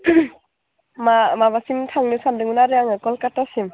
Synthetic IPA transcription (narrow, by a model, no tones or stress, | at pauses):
mamaβasimtʰaŋnɯsandɯŋɯnaɾɯaŋɯkɔlkatasim